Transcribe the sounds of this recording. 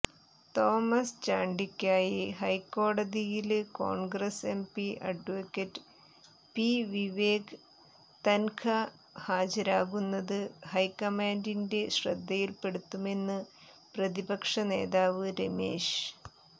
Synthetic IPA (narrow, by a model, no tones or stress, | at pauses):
t̪o̞ːmɐst͡ɕaːɳɖikʲːaːjiɦɐjkːo̞ːɽɐðijilko̰ːɳɡrɐse̞mpiʔɐ̰ɖʋokːɐtːɨ̥ | piʋiʋeːɡ | t̪ɐnkʰɐ | haːd͡ʑɐɾaːɣunːɐðɨhɐjkɐmaːndinde̞ɕrɐd̪ːɐjilpe̞ɽut̪ːume̞nːɨ | prɐðibɐkʂɐne̞̰ːðaːʋɨɾemḛːʂ